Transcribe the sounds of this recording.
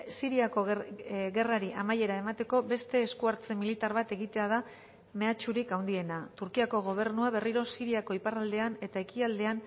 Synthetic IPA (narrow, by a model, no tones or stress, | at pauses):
siɾiako̞ɣɣe̞raɾiʔamaje̞ɾae̞mat̪e̞ko̞be̞st̪e̞ːskuaɾt͡se̞milit̪aɾβat̪e̞ɣit̪e̞að̞a | me̞at͡ʃuɾikawnd̪ie̞nat̪uɾkiako̞ɣ̞o̞β̞e̞ɾnuaβ̞e̞riɾo̞siɾiako̞iparald̪e̞ane̞t̪ae̞kiald̪e̞an